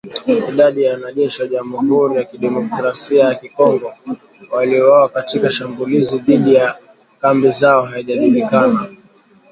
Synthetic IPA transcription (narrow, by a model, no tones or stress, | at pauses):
iɗaɗijawanaʄɛʃiwaʄamuhuɾijakiɗɛmɔkɾasiajakikɔŋɡɔ | waliɔwawakatikaʃambuliziðiɗija | kambizaɔɦaiʄaʄulikana